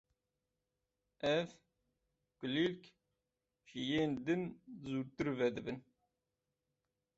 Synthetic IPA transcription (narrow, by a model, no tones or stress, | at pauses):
ɛf | kɨlilk | ʃijeːnd̪ɨnzuɾt̪ɨɾvɛd̪ɨbɨn